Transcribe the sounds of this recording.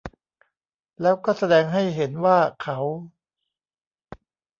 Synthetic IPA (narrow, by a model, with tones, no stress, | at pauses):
lɛː˦˥wkɔː˥˩sa˧dɛː˧ŋɦa˥˩jɦe˩˦nwaː˥˩kʰa˩˦˥w